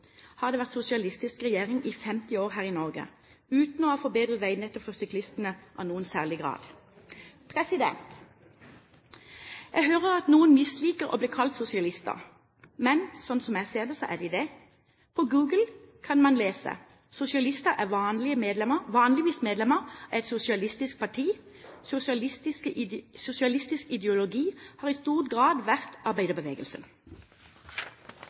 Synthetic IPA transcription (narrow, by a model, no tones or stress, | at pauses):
hɑʁd̪eːʋæʁt̪sʊsɪɑlɪst̪ɪskʁɛjeːʁɪŋʔifɛmt̪ɪoːʁɦæːʁɪnɔʁɡə̰ | ʉːt̪n̩oːfɔbeːd̪ʁəʋæɪnɛt̪ːɔpfɔsʏklɪst̪ənəʔɑ̰nuːənsæ̰ːʁlɪɡʁɑ̰ːd̪̥ | pʰʁɛsɪd̪ɛ̰nt̪ | jæɡɦøːʁəʁɑt̪nuːənmɪsliːkəʁo̰bliːkʰɑlt̪sʊsɪɑlɪst̪ə̰ʁ | mɛnsɔnsɔmjæseːʁd̪ɛsɔʔæ̰d̪ɪd̪ɛ | pʰɔɡuːɡəl̩kʰɑnmɑnleːsə̰ | sʊsɪɑlɪst̪əʔæʁʋɑːnlɪəmeːd̪lɛməʋɑːnlɪʋiːsmeːd̪lɛməʁɛt̪sʊsɪɑlɪst̪ɪsk̚pʰɑʈʰiː | sʊsst̪ɪsəsʊsɪɑlɪst̪ɪskɪd̪ɛʊlʊɡiːhɑːʁɪst̪uːʁt̪ɡʁɑːd̪ʋæʁt̪ɑʁbæɪd̪əʁbəʋḛːɡəlsə̰n